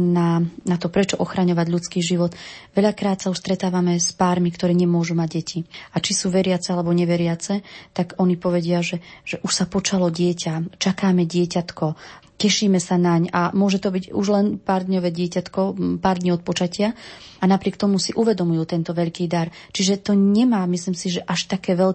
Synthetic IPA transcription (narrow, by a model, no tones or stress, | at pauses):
nanat̪ɔpɾɛt͡ʃɔʔɔxɾaɲɔʋaɟʎut͡skiːʒiʋɔt̪ʋɛʎakɾaːt̪sauʃst̪ɾɛt̪aːʋamɛspaːɾmikt̪ɔɾɛːɲɛmʊɔʒumaɟɟɛciat͡ʃisuːʋɛɾɪat͡sɛalɛbɔɲɛʋɛɾɪat͡sɛt̪aɡɔnipɔʋɛɟɪaʒɛʒ̥ɛʔuʃsapɔt͡ʃalɔɟɪɛcʰat͡ʃakaːmɛɟɪɛcat̪kɔ | cɛʃiːmɛsanaɲamʊɔʒɛt̪ɔbiɟuʒlɛnpaːɾd̪ɲɔʋɛɟɪɛcat̪kɔpaːɾd̪ɲiɔt̪̚pɔt͡ʃacɪaanapɾɪɛkt̪ɔmusiʔuʋɛd̪ɔmujuːt̪ɛnt̪ɔʋɛʎkiːd̪aɾt͡ʃiʒɛt̪ɔɲɛmaːmisliːmsiʒɛʔaʃt̪akɛːʋɛʎ